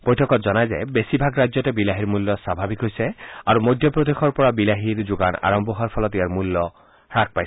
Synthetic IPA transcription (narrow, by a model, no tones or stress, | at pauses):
b̥ojtʰɔkɔtzɔnajzɛ̰besibʱaɡɹazjɔtɛbilaɦiɹmulːɔsabʱabikɦojsɛaɹumojd̪ʱjɔpɹod̪exʰɔɹpɔɹabilaɦiɹd͡ʒuɡa̰na̰ɹɔmbʱɔɦaɹpʰɔlɔtijaɹmulːɔ | ɹak̚pajs